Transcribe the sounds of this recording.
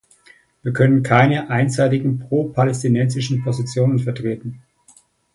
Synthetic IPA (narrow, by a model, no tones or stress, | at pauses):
viːɐkʰœnənkʰaɪnəʔaɪnzaɪtɪɡŋ̩pʁ̥oːpʰalɛstinɛnzɪʃn̩pʰozɪt͡sjoːnənfɛɐtʁ̥eːtn̩